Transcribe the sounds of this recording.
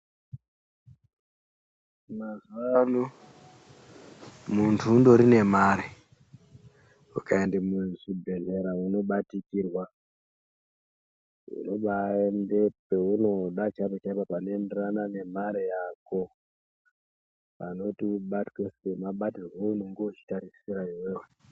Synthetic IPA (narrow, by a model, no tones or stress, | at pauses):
mazuʋano | muntʰuːndo̞ɾine̞maɾe | ukaendemuʐibʱe̞ɮe̞ɾauno̞ɓatikirwa | ṵno̞ɓaendepe̞uno̞ɗat͡ʃapet͡ʃaipapanoende̞ranane̞maɾejaːko̞ | pano̞tiɓatkesemaɓatirweuno̞ŋɡout͡ʃi̥taɾisiɾaiweːwe